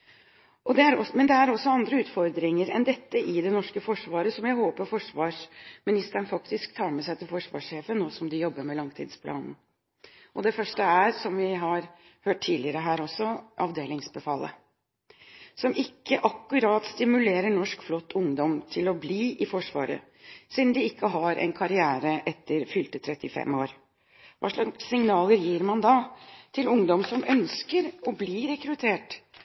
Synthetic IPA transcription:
ʔɔd̪ɛæɾɔmɛnd̪ɛæɾɔsːɔɑnd̪ɾəʉːt̪fɔɾd̪ɾɪŋəɾɛ̰nd̪ɛt̪ːəʔɪd̪ɛnɔʂkəfɔʂʋɑːɾəsɔmjæɪhoːpəɾfɔʂʋɑːʂmɪnɪst̪əɳfɑkt̪ɪskt̪ʰɑːɾmɛsæɪt̪ʰɪlfɔʂʋɑ̰ːʂːeːfənnːoːsɔmd̪ɪjɔbːəɾmɛlɑŋt̪ʰḭːd̪spʰlʔɑ̰ːnn̩ | ʔɔd̪ɛfœʂʈəæɾsɔmʋɪɦɑɾ | høːʈʈʰːiːdlɪəɾəɦæːɾɔsːɔʔɑ̰ʋd̪eːlɪŋsbəfɑlːə̰ | sɔmʔɪkːəʔɑkːʉɾɑt̪st̪ɪmʉleːɾəɳɔʂkflɔt̪ʰːʊŋd̪ɔmt̪ʰɪlɔbliːʔɪfɔʂʋɑ̰ːɾə̰ | sid̪n̩d̪ɪɪkːəɦɑɾʔɛ̰nkʰɑɾɪæːɾəʔɛt̪ːəɾfʏlt̪ət̪ʰɾɛt̪ːɪfɛ̰mːoːɾ | ʋɑ̰ːʂɑssɪŋnɑːləɾjiːɾmɑnd̪ɑt̪ʰɪlʊŋd̪ɔmsɔmʔœnskəɾɔbliːɾɛkɾʉt̪ʰeːʈ

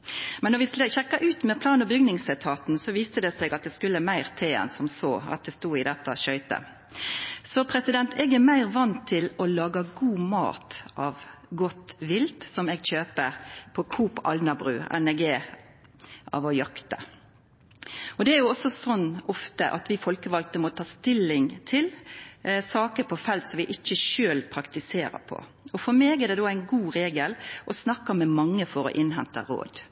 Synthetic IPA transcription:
mɛnːɔɾʋɪsəçɛkːɑʔʉːt̪mɛpʰlɑːnɔbʏɡnɪŋsɛt̪ʰɑːt̪n̩sɔʋiːst̪əd̪ɛsɛɡɑt̪̚d̪ɛskʉlːəmæɪʁt̪ʰeːɛ̰nsɔmsoːɑ̰t̪̚d̪ɛst̪uːɪd̪ɛt̪ːəʃœʏt̪ə̰ | sɔpʰɾɛsɪd̪ɛnt̪ʰɛːɡæmæɪʁʋɑnt̪ʰːɪlɔlɑːɡɑɡuːmɑ̰ːt̪ʔɑʋɡɔt̪ʋɪlt̪sɔmɛɡɕøːpəpʰɔkʰuːpɑ̰lnɑbʁʉ̰ːɛ̰nɛɡeː | ʔɑ̰ːʋɔjɑkt̪ə | ɔd̪ɛæɾjʊɔsːɔsɔnːɔft̪əʔɑ̰t̪ʋɪfɔlkəʋɑlt̪əmɔt̪ʰɑːst̪ɪlːɪŋt̪ʰɪl | sɑːkəɾpʰɔfɛlt̪sɔmʋɪʔɪc͡çːəʃøːlpʰɾɑkt̪ɪseːɾə̰pʰɔ̰ | ɔfɔɾmeːɡɛd̪ɛd̪oːæɪnɡuːɾeːɡəlʔɔsnɑkːəmɛmɑŋːəfɔɾɔ̰ʔɪnɦɛnt̪ə̰ɾo̰ːd̪

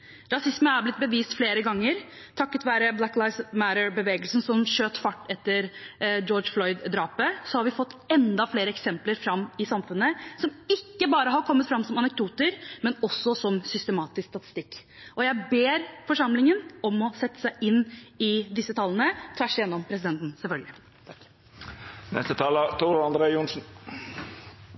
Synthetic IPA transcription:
ɾɑsɪsmənæɾblɪt̪̚bəʋiːst̪fleːɾəɡɑŋːəɾ | t̪ʰɑkːət̪ʋæːɾəblækːlɑɪsmæɾəbəʋeːɡəlsən̩sɔmɕøːt̪fɑʈːɛt̪ːəɾd͡ʒɔːd͡ʒflɔʏd̪d̪ɾɑːpəsɔhɑɾʋɪfɔt̪ːɛnd̪ɑfleːɾəɛksɛmpləɾfɾɑmːɪsɑmfʉnːəsɔmɪkːəbɑːɾəɦɑɾkʰɔmːət̪fɾɑmsɔmɑnɛk̚d̪uːt̪əɾmɛnɔsːɔsɔmsʏst̪əmɑːt̪ɪskst̪ɑt̪ɪ̥st̪ɪkː | ʔɔjæɪbeːɾfɔʂɑmlɪŋənɔmɔsɛt̪ːə̥sæɪʔɪnːɪd̪ɪsːət̪ʰɑlːənət̪ʰʋæʂjɛnːɔmpʰɾɛs̬ɪd̪ɛnt̪n̩sɛlfœlɡəlɪ | t̪ʰ | nɛ̰st̪ət̪ʰɑːlət̪ʰuːɾɑnd̪ɾeːʊnsn̩

